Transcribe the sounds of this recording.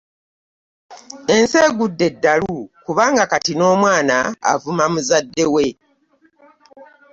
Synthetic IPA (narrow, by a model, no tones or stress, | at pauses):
e̞nseːɡudːe̞dːalukuβaːŋɡakatino̞ːmwaːna̰ːvumamuzadːewe̞